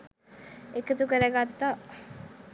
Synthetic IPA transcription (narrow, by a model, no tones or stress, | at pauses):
ekət̪ukəɾəɡat̪ːa